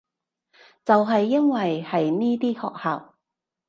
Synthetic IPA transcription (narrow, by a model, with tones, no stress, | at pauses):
t͡sɐ˨wɦɐ˨jːɐ˥nwɐ˨jhɐ˨jniː˥t̪iː˥kʰɔ̰ː˨k̚haː˨w